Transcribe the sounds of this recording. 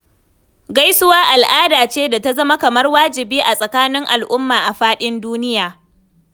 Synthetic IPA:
ɡa˦jsʊ˦waː˦ʔa˨lʔaː˦daː˨t͡ʃeː˦da˨ta˦zɐ˦ma˦kɐ˨mɐ˦rwaː˦d͡ʒɪ˨biː˦ʔa˨sʼɐ˨kaː˦nɪ˦ŋʔa˨lʔʊ˦mːaː˨ʔa˨ɸaː˦ɗɪ˦nduː˦nɪ˦jaː˨

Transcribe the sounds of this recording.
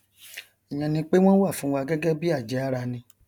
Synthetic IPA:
ɛ˨j̃ã˨˧nĩ˧k͡pe˦w̃ɔ̃˦wa˦˨fũ˨˦wa˧ɡɛ˦ɡɛ˦bi˦a˦˨d͡ʒɛ˨˦a˦˧ɾa˧nĩ˧

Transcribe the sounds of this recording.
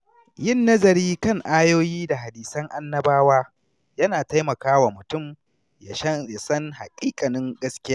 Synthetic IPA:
jɪ˦˨nːɐ˦zɐ˨ɾiː˦kɐ˦˨ŋʔaː˦joː˦jiː˦da˨ɦa˨diː˨sɐ˦ŋʔa˦nːɐ˦baː˦waː˦ | jɐ˦naː˨ta˦jmɐ˨kaː˦wa˨mʊ˨tʊ˦˨m | ja˨ʃɐ˦a˨sɐ˦ŋha˨kʲʼiː˦kʼɐ˨nɪ˦ŋɡɐ˦skʲɪ˦jaː˦

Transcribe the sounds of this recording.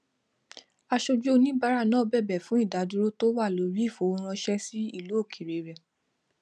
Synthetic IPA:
a˧ʃo˧d͡ʒu˦o˦˧nĩ˦ba˦ɾa˦˨nã˦bɛ˦˨bɛ˨fũ˨˦i˦˨da˨˦du˦ɾo˦to˦wa˦˨lo˨˦ɾi˦˨fo˨˧ɾ̃ɔ̃˧ʃɛ˦si˦i˦˨lo˨˦o˦˨kʰi˨ɾe˨˦ɾɛ˨

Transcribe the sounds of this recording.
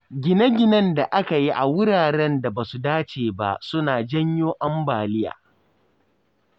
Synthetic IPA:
ɡʲɪ˨nɐ˦ɡʲɪ˦˨nɐ˦nda˨ʔa˦ka˨ji˦ʔa˨wʊ˦ɾaː˨ɾɛ˦nda˨baː˨su˨daː˦t͡ʃeː˨ba̰˦sʊ˦naː˨d͡ʒɐ˦ɲjoː˦ʔɐ˦mbaː˨lɪ˦ja̰ː˨

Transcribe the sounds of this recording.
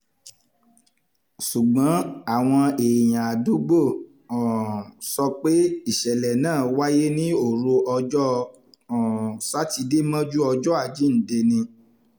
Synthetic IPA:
ʃu˨ɡ͡bã˨˦a˦˨w̃ɔ̃˧e˨j̃ã˨a˨du˨˦ɡ͡bo˦˨ | ɔ̃˨sɔ˧k͡pe˦i˦˨ʃɛ˨lɛ˨nãː˦˨wa˦je˦nĩ˦o˦˨ɾo˧ʔɔ˧d͡ʒɔ˦ | ɔ̃˨sa˦ti˧de˦mã˦d͡ʒu˦ɔ˧d͡ʒɔ˦a˦˨d͡ʒi˨˦n̩˨de˧nĩ˧

